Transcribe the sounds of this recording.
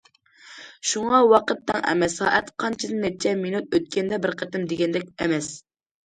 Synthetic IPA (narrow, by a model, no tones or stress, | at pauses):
ʃuŋɑwɑqət̪ːɛŋɛ̰mɛsɑ̰ːʔɛt̪qʰɑnt͡ʃʰid̪ɨnɛt͡ʃʰɛminut̪̚øt̪̚kʲɛnd̪ɛbɪɾqʰət̪ɪmd̪eɡʲɛnd̪ɛkʲɛmɛs